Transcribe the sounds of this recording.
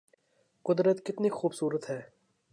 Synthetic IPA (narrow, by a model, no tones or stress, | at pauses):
qʊd̪ɾət̪kɪt̪nixuːbsuːɾət̪ɦɛː